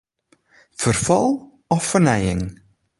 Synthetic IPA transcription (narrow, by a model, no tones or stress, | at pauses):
fərfɑlˠ | ɔfːənɛjɪŋ